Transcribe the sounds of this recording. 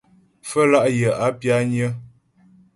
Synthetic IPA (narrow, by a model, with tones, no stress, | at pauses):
fə˦la˦ʔjə˨a˨˦pja˦ɲə˦